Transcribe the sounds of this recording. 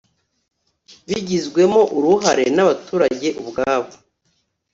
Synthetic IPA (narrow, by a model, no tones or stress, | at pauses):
βiɟizɡwe̞mo̞ʔuɾuɦaɾenaβatuːɾaɟe̞ʔubɡaːβo̥